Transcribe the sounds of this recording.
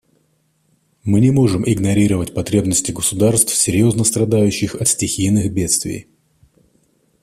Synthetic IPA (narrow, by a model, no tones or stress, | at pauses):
mɨnʲɪmo̞ʐɨmʔɪɡnɐɾʲiɾəvətʲpɐt̪ɾʲe̞bnəsʲtʲɪɡəsʊd̪arst̪fsʲɪɾʲjo̞znəst̪ɾɐd̪ajʉɕːɪxɐt̪sʲtʲɪxʲijnɨxbʲe̞t̪st̪vʲɪ̰j